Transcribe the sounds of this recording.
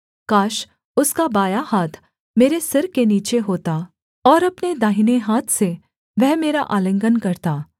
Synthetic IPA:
kaːʃ | ʊskabaːjahaːt̪ʰ | meːɾesɪɾkeniːt͡ʃeɦoːt̪a | ɔːɾɐpned̪aːɦineɦaːt̪ʰse | ʋɛɦmeːɾaʔaːlə̃ŋɡənkɐɾt̪aː

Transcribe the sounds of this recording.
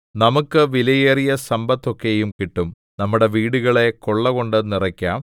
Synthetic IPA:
nɐmukːɨʋilɐjeːrijɐsɐmbɐt̪ːokːejumkiʈːum | nɐmːuɽe̞ʋiːɽuɣɐɭe̞ko̞ɭːɐɣo̞ɳɖɨnirɐkʲːaːm

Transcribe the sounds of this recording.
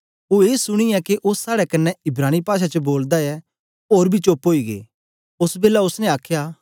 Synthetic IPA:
oːeːsʊɽ̃iɛkeʔʊsːaːɽɛkɐnːɛɪbɾaːñipaːʃ̬at͡ʃəboːld̪aɛ | oːɾbʱit͡ʃoːpɦoːiɡḛː | ʊsbeːlaʊsnɛ̃aːkʰjaː

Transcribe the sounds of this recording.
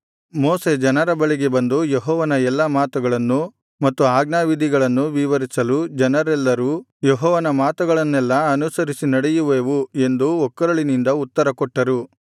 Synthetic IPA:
mɔːse̞d͡ʒɐnɐɾɐbɐɭiɡe̞bɐnd̪ujeɦɔːʋɐnɐɛlːɐmaːt̪uɡɐɭɐnːu | mɐt̪ːuaːɡnaːʋid̪ʱiɡɐɭɐnːuʋiʋɐɾisɐlud͡ʒɐnɐɾɛlːɐɾu | jeɦɔːʋɐnɐmaːt̪uɡɐɭɐnːɛlːɐɐnusɐɾisinɐɽejuʋeːʋue̞nd̪uɔkːɐɾɐɭinind̪ɐut̪ːɐɾɐkɔʈːɐɾu

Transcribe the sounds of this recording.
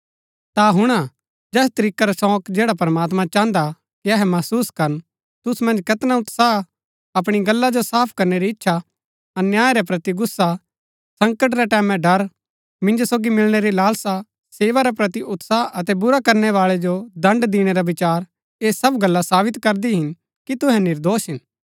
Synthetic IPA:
t̪aɦʊɽ̃a | d͡ʒɛːst̪ɐɾiːkaɾasɔ̃ːkd͡ʒɛːɽapɐɾmaːt̪mãt͡ʃãːnd̪a | kiɐɦɛmɐsuːskɐɾn | t̪ʊsmɐ̃nd͡ʒkɐt̪naʊt̪sa | ɐp̬ɽ̃iɡɐlːad͡ʒosaːpʰkɐɾneɾiɪtːʃʰa | ɐnjaːeɾɛpɾɐt̪iɡʊsːa | sɐ̃ŋkəʈ̬ɾɛʈɛːmɛ̃ɖɐɾ | mɪ̃nd͡ʒosoːɡimɪlɽ̃eɾilaːlsa | seːʋaɾapɾɐt̪iʔʊt̪saɐt̪ɛbʊɾakɐɾñɛʋaːɭɛd͡ʒod̪ɐ̃ɳɖd̪iːɽ̃eɾabɪt͡ʃaːɾ | eːsɐbɡɐlːasaːbɪt̪kɐɾd̪iɦɪn | kit̪ʊɦɛ̃nɪɾd̪oːsɦɪn

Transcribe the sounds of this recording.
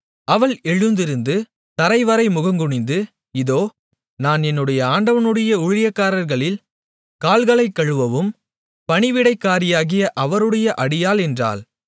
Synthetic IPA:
ɐʋɐɭɛɻɯnd̪ɪɾɯnd̪ɯ | t̪ɐɾɐɪʋɐɾɐɪmʊɣɐŋɡɯɳɪnd̪ɯ | ɪðoː | naːnɛnːɯɽɐjɐaːɳɖɐʋɐnɯɽɐjɐʊɻɪjɐkːaːɾɐɾɣɐɭɪl | kaːlɣɐɭɐɪkːɐɻɯʋɐʋɯm | pɐɳɪʋɪɽɐɪkːaːɾɪjaːɣɪjɐʔɐʋɐɾɯɽɐjɐʔɐɽɪjaːlɛndra̰ːl

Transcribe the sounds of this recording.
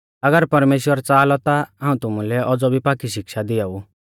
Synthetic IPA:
ɐɡəɾpɐɾmeːʃwəɾt͡saːlɔt̪aãːũt̪ʊmũlɛʔɔd͡zɔbʱipaːkiʃɪkʃad̪ɪjɔu

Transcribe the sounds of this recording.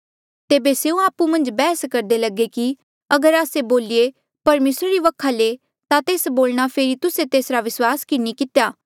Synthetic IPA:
t̪eːbeseːũaːpumɐ̃nd͡ʒbɛːskɐɾd̪eləɡeki | ɐɡəɾaːseboːlie | pɐɾmeːsɾaɾiʋɐkʰale | t̪at̪eːsboːlɽ̃apʰeːɾit̪ʊset̪eːsɾaʋɪswaːskɪnikɪt̪ejaː

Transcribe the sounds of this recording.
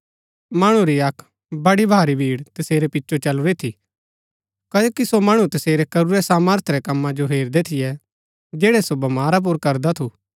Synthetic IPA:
maːɽ̃ũɾiɐkʰ | bɐɽibʱaːɾibʱiːɽt̪ɐseːɾɛpɪtːʃʰot͡ʃɐluɾit̪ʰi | kaːd͡ʒoːkisomɐɽ̃ut̪ɐseːɾɛkɐɾuɾɛsaːməɾt̪ʰɾɛkɐmːãd͡ʒoɦeːɾd̪ɛt̪ʰɪjɛ | d͡ʒeːɽɛsobɐmaːɾap̬ʊɾkɐɾd̪at̪ʰu

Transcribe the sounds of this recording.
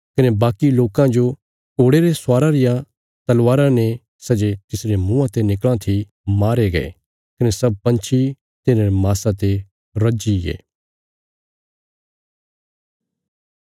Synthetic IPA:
kɐnebaːkiloːkãd͡ʒo | koːɽeɾesʊaːɾaɾɪja | t̪ɐlʋaːɾãne | sɐd͡ʒet̪ɪsɾemũãt̪enɪklãt̪ʰi | maːɾeɡɐḛ | kɐnesɐb̚pɐ̃nt͡ʃʰi | t̪ɪnãɾemaːsãt̪e | ɾɐd͡ʒiḛː

